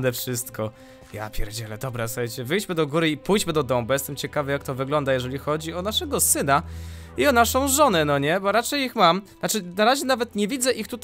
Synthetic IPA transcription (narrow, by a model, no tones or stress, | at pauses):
d̪ɛfʂɘst̪kʰɔ | ja̰pʲjɛɾd͡ʑɛlɛd̪ɔbɾasuxajt͡ɕɛvɘjd͡ʑmɘd̪ɔɡuɾɘipujd͡ʑmɘd̪ɔd̪ɔmbɛjɛst̪ɛmt͡ɕɛkavɘjak̚t̪ɔvɘɡlɔnd̪ajɛʐɛlʲixɔd͡ʑiɔnaʂɛɡɔsɘna | iɔnaʂɔ̃w̃ʐɔnɛnɔɲɛbɔɾat͡ʂɛjixmamnat͡ʂɘnaɾaʑɛnavɛt̪ɲevʲid̪zɛʔixt̪ut̪